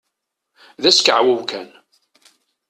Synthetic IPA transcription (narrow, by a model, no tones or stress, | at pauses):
ðæskəʕwəwkæn